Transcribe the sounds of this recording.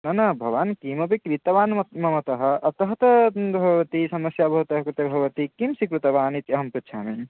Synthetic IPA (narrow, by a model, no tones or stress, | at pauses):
nɐnɐbʱɐʋaːnkimɐpikɾit̪ɐʋaːnmɐmɐt̪ɐɦɐ̆ʔɐt̪ɐɦɐt̪ɐbʱɐʋɐt̪isɐmɐsjaːbʱɐʋɐt̪ɐɦɐkɾɪt̪ɐbʱɐʋɐt̪ikimsikɾut̪ɐʋaːnit̪ɐɦɐmpɾut̪ːʃʰaːmi